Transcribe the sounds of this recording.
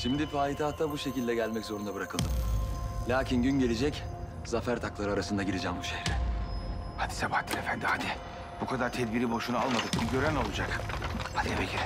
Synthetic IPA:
ʃimd̪ifaːit̪ʰaːt̪ʰːabuʃe̞cilʲd̪ɛɟælʲmɛczo̞ɾund̪abɯɾakʰɯlˠd̪ɯmlʲaːcʰinɟynɟe̞lʲed͡ʒɛc | zafæɾt̪ʰaklˠaɾɯaɾasɯnd̪aɟiɾed͡ʒɛːmbuʃejɾɛ | had̪i̥sabaht̪ʰːiɾefænd̪imad̪iɛ | b̥ukʰad̪aɾt̪ʰɛd̪biɾibo̞ʃunaalˠmad̪ɯkbiɟø̞ɾæno̞lˠud͡ʒakad̪iɛbeciɾ

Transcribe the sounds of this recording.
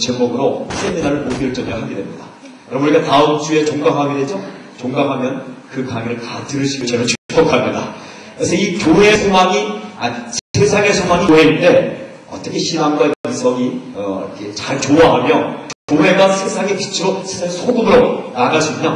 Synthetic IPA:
t͡ɕemuɡɯɾopʰeninaɾɯɭmopiʌɭt͡ɕ͈ʌmijʌɦaɡedwemɲida | jʌɾʌmnuɾik͈ataɯmd͡ʑue̞t͡ɕoŋɡaŋɦaɡeded͡ʑʌ | t͡ɕoŋɡaŋɦamjʌnkɯkaŋiɾɯɭtatɯɾɯɭɕʰiɡot͡ɕeɾot͡ɕɯpʌk͈ʰamɲida | kɯɾesʰʌikʲjoɦe̞sʰomaŋiasʰe̞sʰaŋe̞sʰomaŋiɦe̞ite̞ʌt͈ʌkʰe̞ɕʰinaŋɡwaikʰeisʰʌɡiʌikʰe̞t͡ɕaɭt͡ɕoaɦamjʌkjoɦe̞ɡasʰe̞sʰaŋe̞pit͡ɕʰɯɾosʰe̞sʰaŋesʰodomɯɾonaɡaɭs͈uiɲa

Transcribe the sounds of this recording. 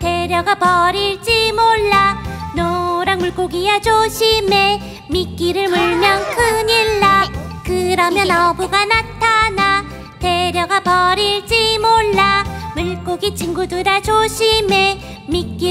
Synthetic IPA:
te̞ɾjʌɡapʌɾit͡ɕimoɭːanoɾaŋmuɭk͈oɡijad͡ʑoɕʰime | mik͈iɾɯɭmuɭmjʌŋkʰɯɲiɭːakɯɾamjʌnʌbuɡanatʰana | te̞ɾjʌɡapʌɾiɭt͡ɕimoɭːamuɭk͈oɡit͡ɕʰiŋɡudɯɾad͡ʑoɕʰime | mik͈i

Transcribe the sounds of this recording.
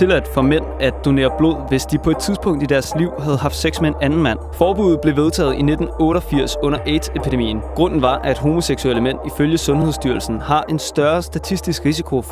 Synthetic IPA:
t͡sʰe̝læd̥fɒ̽men̰æd̥o̝ne̝̰ːɐb̥lo̝ð̰ˠʋe̝sd̥ipʰɒ̽e̝d̥̚t͡sʰið̞ˠsb̥ʰɔ̽ŋ̰d̥id̥æɐsliʊ̰ɦæð̞̩ˠɦɑ̈fd̥seɡ̥smenænn̩mæn̰fɒːb̥uð̩ˠb̥le̝ʋe̝ðˠt͡sʰɛ̰ːð̩ˠine̝d̥n̩ɔ̽ːɾ̥ɒfiɐ̰sɔ̽n̰ɐʔed̥ʰepʰid̥emḭːn̩ɡ̥ʁɔ̽n̰n̩ʋɑ̈ʔæd̥ɦo̝mo̝seɡ̥sueləmen̰iføljəsɔ̽nheðˠsd̥yɐlsn̩hɑ̈ʔe̝nsd̥ɶɐsd̥æt͡sʰisd̥isɡ̥ʁisikʰo̝

